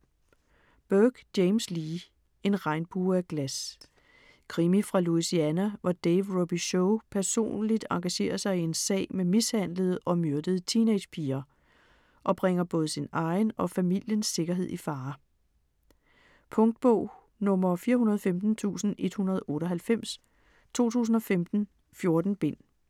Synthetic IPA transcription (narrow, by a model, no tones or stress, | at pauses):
b̥œːɡ̥d̥eɪmsliː | e̝nʁɑ̈ɪnb̥uːæɡ̥læs | kʰʁimifʁɑ̈luisiænæʋɑd̥eɪʋʁob̥iɕoʊpʰæɐso̝̰ːnlid̥ɑ̈ŋɡ̥æɕe̝̰ːɐsɑ̈ɪie̝nsɛ̰ːɪmemishæn̰ləð̩ˠʔɒ̽møɐd̥əð̩ˠt͡sʰine̥pʰiːɐ | ʔɒ̽b̥ʁeŋ̰ɐb̥ɔ̽ːð̞ˠsinɑ̈ɪnɒ̽fæmil̰jənsːe̝ɡ̥ɐɦe̝ð̞̰ˠifɑ̈ː | pʰɔ̽ŋd̥̚b̥ɔ̰ʊ̰ | nɔ̽mɐfiːɐɦunɐð̞ˠfemd̥n̩t͡sʰṵːsn̩ʔe̝d̥hunɐð̞ˠʔɔ̽ːɾ̥ɒ̽ɦhælfem̰s | t͡sʰo̝̰ːt͡sʰṵːs̬n̩ɒ̽femd̥n̩ | fjo̝ɐd̥n̩b̥e̝n̰